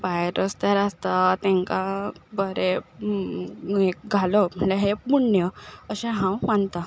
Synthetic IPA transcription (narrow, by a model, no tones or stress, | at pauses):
bajeɾəst̪aɾast̪at̪ɛ̃ŋkabəɾe | ek̚ɡʱalom̤əʈleɦepuɳːjəəɕɛ̃ɦãwʋant̪a